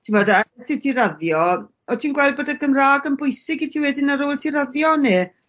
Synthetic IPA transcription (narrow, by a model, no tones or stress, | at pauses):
tʰivɔdasitʰiɾaðjɔ | ɔtʰiːnɡwɛlˠd̚boːdaɡəmraːɡəmbʊjsɪɡitʰiwɛdɪnaɾoːlˠtʰiɾaðjɔne